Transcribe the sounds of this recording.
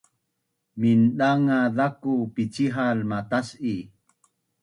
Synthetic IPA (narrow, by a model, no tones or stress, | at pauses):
minɗaŋaðakupit͡ɕiɦalmatasi